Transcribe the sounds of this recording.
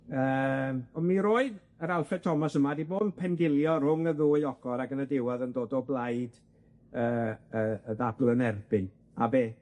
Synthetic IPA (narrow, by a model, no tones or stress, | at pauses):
əːmɔnmiɾoːɨð | əɾalˠfɛtʰɔmasəmadiboːdpʰɛndɪlˠjɔɾʊŋəðuːɨɔɡ̥ɔɾaɡənədɪwaðəndoːdɔblˠajd | əːəəðadl̩ˠənɛrbɪn | abeː